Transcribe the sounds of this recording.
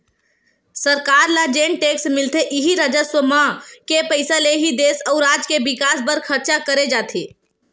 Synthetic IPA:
səɾkaːɾlad͡ʒeɳʈeksmɪlt̪eʔiɦiɾəd͡ʒəswəmakepəɪsaleɦid̪eːsəʊɾaːd͡ʒkebɪkaːsbəɾkʰəɾt͡ʃakəɾed͡ʒaːt̪ʰeː

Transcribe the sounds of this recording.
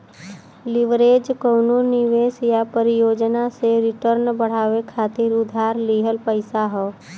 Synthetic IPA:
lɪʋɾeːd͡ʒkəwnunɪʋeːsjapəɾijoːd͡ʒnaseɾɪʈəɾnbəɽ̤aːʋekʰaːt̪ɪɾʊd̪ʱaːɾliːɦəlpəɪsaɦɔː

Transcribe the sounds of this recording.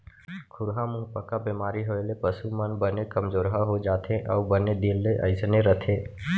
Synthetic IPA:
kʰʊɾɦamʊɦpəkabeːmaːɾiɦoːelepəsumənbənekəmd͡ʒoːɾɦaɦod͡ʒaːt̪ʰeʔɔ̰ːbəned̪ilːeʔə̰ɪsneɾət̪ʰeː

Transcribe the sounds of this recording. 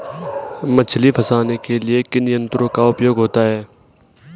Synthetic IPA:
mət͡ʃʰlipʰəsaːnekelɪekɪnɪjə̃nt̪ɾõːkaʊpjoːɡɦoːt̪aɦɛː

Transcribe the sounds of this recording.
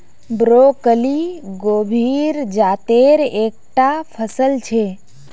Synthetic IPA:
bɾokəliɡobʱiɾd͡ʒaːt̪eɾeːk̚ʈapʰəsəlt͡ʃʰe

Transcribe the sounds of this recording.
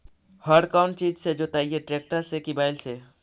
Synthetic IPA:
həɖkaʊɳʈt͡ʃiːd͡ʒsed͡ʒot̪aːijeʈɾeːk̚ʈəɾsekibaːɪlse

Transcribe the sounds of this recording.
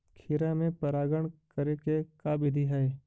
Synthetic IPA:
kʰɪɾamẽpəɾaːɡəɳ̃kəɾekekaːbɪd̪ʱiɦɛe

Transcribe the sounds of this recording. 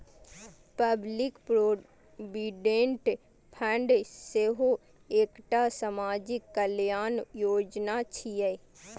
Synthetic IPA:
pəblɪkpɾo | biɖẽɳʈ | pʰə̃ɳɖseɦo | eːkʈasəmaːd͡ʒɪkːəljaːnjoːd͡ʒnat͡ʃʰijɛ

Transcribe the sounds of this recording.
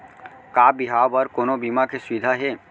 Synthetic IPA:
kabiɦabəɾkoːnobimakesʋid̪ʱaɦe

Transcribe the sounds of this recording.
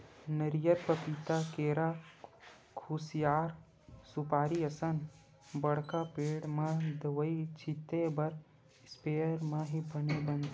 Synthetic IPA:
nəɾijəɾpəpit̪akeːɾa | kʰusijaːɾ | supaːɾiəsən | bəɽkapeːɽmãd̪əʋəit͡ʃʰit̪ebɐɾ | speəɾmãɦibənebənt̪

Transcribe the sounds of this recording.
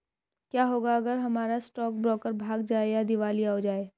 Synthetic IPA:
kjaːɦoːɡaɐɡəɾɦɐmaːɾasʈɔːk̚bɾɔːkəɾbʱaːɡd͡ʒaːejad̪ɪʋaːliaːod͡ʒaːeː

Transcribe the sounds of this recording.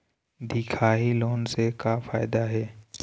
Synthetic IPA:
d̪ʱiːkʰaːɦiloːnsekafaːɪd̪aɦɛː

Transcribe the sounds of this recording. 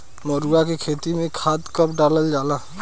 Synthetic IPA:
məɾuakekʰeːt̪imẽkʰaːt̪kəpɖaːləld͡ʒaːla

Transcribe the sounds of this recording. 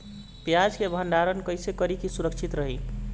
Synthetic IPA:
pjad͡ʒkebʱənɖaɾənkəjsekəɾikisuɾəkt͡ʃʰit̪ɾəɦi

